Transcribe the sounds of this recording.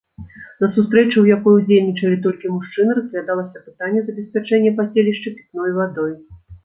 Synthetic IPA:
nɐsust̪ɾɛt͡ʂɨwjakɔjud͡zʲelʲnʲit͡ʂɐlʲit̪̬ɔlʲkʲimuʂt͡ʂɨnɨɾɐspvʲad̪alˠɐsʲɐpɨ̥t̪anʲːɛzɐbʲɛsʲpʲat͡ʂɛnʲːɛpasʲelʲiʂt͡ʂɨpʲi̥t̪̚nɔjvad̪ɔj

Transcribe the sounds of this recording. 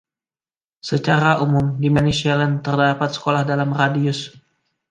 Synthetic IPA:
sət͡ʃaɾaʔumʊmdimanisialɛnt̪ərdapat̪̚sə̥kolahdalamradiʊs

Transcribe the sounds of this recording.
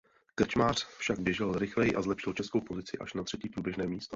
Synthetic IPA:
kr̩t͡ʃmaːr̝̥fʃaɡ̚bjɛʒɪlɾɪxlɛjɪʔazlɛpʃɪlt͡ʃɛskowpo̞zɪt͡sɪʔa̰ʃnat̪r̥ɛciːpɾuːbjɛʒnɛːmiːst̪o

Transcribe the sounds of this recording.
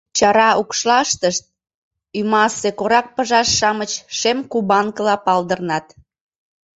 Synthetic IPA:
t͡ɕɑɾɑʔukʃlɑʃt̪əʃt̪̚ | ymɑsekoɾɑk̚pəʒɑʃːɑmət͡ɕʃemkubɑŋkəlɑpɑld̪ərnɑt̪

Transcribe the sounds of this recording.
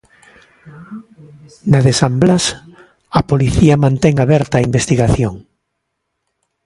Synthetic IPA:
naðesamblas | apoliθiamãnt̪eŋaβɛɾt̪aːimbest̪iɣaθjoŋ

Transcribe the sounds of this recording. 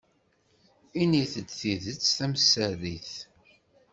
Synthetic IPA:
iniθəd̪θiðət͡sːθæməsːæðiθ

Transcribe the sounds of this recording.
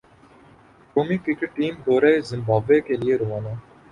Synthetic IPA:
koːmikɾɪkeʈʈːiːmɖ̪ʱoːɾaezɪ̃mbʱaːʋekelieɾoʋaːnaː

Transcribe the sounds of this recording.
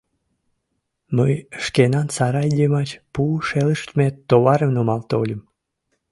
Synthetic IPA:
məjʃkenɑnsɑɾɑjd̪ʲemɑt͡ɕpuʃeləʃt̪met̪ːoβɑɾəmnomɑlt̪olʲəm

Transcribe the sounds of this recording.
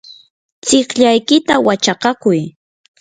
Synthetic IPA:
t͡sɪχʎajkɪt̪awat͡ʃaqɑkʊj

